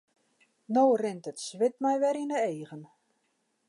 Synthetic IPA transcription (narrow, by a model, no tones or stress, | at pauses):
nowrɪntətsʋɪt̚mɛjʋɛɾinəeːɣən